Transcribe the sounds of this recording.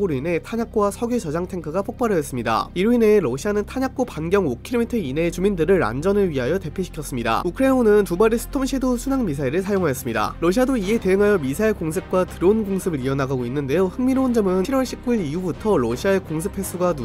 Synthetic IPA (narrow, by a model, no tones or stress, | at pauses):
oɾine̞tʰaɲak͈wasʰʌɡjot͡ɕʌd͡ʑaŋtʰe̞ŋkʰɯɡapʰok̚p͈aɾʌjʌs͈ɯmɲida̰iɾuine̞ɾʌɕʰianɯntʰaɲak̚k͈opanɡjʌŋokʰiɾomitʰʌine̞t͡ɕumindɯɾɯɭa̰nd͡ʑʌnɯɭɥiɦajʌte̞pʰiɕʰi̥kʰjʌs͈ɯmɲida̰ukʰɯɾe̞nonɯntubaɾisʰɯ̥tʰomɕʰidosʰunaŋmis̬ʰaiɾɯɭs̬ʰajoŋɦajʌs͈ɯmɲida̰ɾʌɕʰiadoie̞te̞ɯŋɦajʌmisʰaiɭkoŋsʰɯp̚k͈watɯɾounɡoŋsʰɯbɯɾiʌnaɡaɡoinːɯnde̞johɯŋmiɾond͡ʑʌmɯɯnʰiɾwʌɭɕʰip̚k͈uiɾiubutʰʌɾʌɕʰiaekoŋsʰɯpʰe̞sʰuɡanu